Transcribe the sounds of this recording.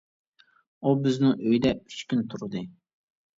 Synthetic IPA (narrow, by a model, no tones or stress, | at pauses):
ubɪznɪŋøjd̪ɛy̥t͡ʃkʲynt̪ʰuɾɨd̪ɨ